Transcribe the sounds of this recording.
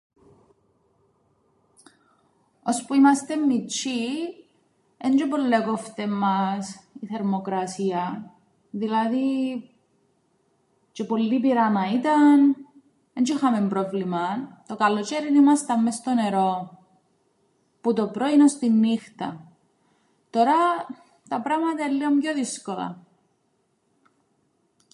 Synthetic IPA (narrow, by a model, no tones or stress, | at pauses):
o̞spuimɐst̪e̞mːit͡ʃːi | end͡ʒopolːeɡoft̪emːɐsiθe̞ɾmo̞kɾɐsiɐ | ðilɐði | t͡ʃepo̞lːipiɾɐnɐit̪ɐn | end͡ʒoxɐmempɾo̞vlimɐt̪o̞kɐlot͡ʃeɾinimɐst̪ɐmːest̪o̞ne̞ɾo̞ | put̪o̞pɾo̞inost̪inːixt̪ɐ̰ | t̪o̞ɾɐ | t̪ɐpɾɐmɐt̪ɐelːiomjoðiskolɐ̰